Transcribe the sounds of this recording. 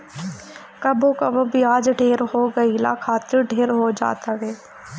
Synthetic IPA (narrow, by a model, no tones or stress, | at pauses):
kɐbokɐbobʱiaːd͡ʒɖʱeːɾɦoɡɐila̰ːkʰaːt̪ɪɾɖʱeːɾɦod͡ʒa̰ːt̪aɦɛː